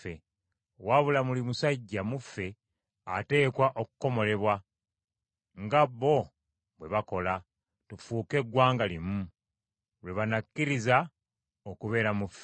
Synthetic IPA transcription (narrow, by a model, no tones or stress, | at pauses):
e | waβulamulimusaɟːamufːe̞ | ate̞ːkwaʔo̞ku̥ko̞mo̞le̞βwa | ŋɡaβːo̞ | βwe̞βako̞la | tufuːke̞ɡwaːŋɡalimu | lweβanakːiɾiza | okuβe̞ːɾamufe